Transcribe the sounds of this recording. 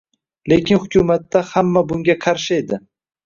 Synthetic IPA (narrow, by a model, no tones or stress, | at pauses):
lekʲɪnhʊkʲumat̪ːahamːabʊŋɡʲaqʰɑɾʃɪed̪ɪ